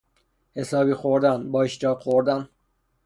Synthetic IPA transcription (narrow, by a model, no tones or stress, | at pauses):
he̞sɒːbiːxoɾd̪ænbɒːeʃd͡ʒɒːxoɾd̪æn